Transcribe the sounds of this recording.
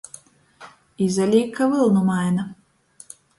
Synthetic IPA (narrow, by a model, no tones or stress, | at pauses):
izɐlʲikːɐvɨlˠnʊmajnɐ